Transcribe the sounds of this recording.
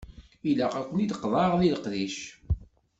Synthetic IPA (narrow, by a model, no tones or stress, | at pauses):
ilæqækʷːənid̪əqːðˤɑʁliləqðiʃ